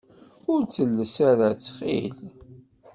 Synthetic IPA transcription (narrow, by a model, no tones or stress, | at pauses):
ʊɾt͡sːəlːəsaɾat͡sːχḭl